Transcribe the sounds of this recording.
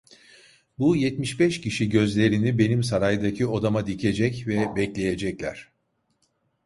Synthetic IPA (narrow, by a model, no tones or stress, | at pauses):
bujɛt̪miʃbɛʃciʃiɟø̞zlʲe̞ɾinibe̞nimsaɾajd̪acʰio̞d̪amad̪icʰe̞d͡ʒɛcvɛbɛclʲe̞je̞d͡ʒɛclʲæ̰ɾ̥